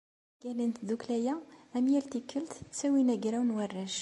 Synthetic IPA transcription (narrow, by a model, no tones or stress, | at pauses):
ɡ̥ælənt̪ðuklæjææmjælt̪ikːəlt̪sæwinæɡɾæwnwarːæʃ